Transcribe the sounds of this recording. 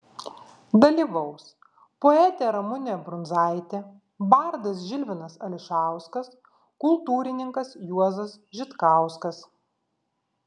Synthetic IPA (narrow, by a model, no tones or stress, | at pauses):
d̪ɐlʲiːʋɐʊs | poɛt̪ʲeɾɐmʊnʲebɾʊnzɑˑɪt̪ʲe | bɐɾd̪ɐs̬ʒʲɪlʲʋʲɪnɐsɐlʲɪʃɑˑʊskɐs | kʊlˠt̪uːɾʲɪnʲɪŋkɐsjuɔzɐsʒʲɪt̪kɑˑʊskɐs